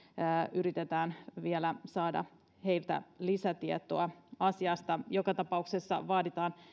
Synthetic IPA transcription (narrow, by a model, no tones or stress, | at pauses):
ʔyɾit̪et̪æːnʋielæsɑːdɑ̰ | he̞jlt̪æ̰lisæt̪iet̪oɑɑsiɑst̪ɑjokɑt̪ɑpɑuksesːɑ̰ʋɑːdit̪ɑːn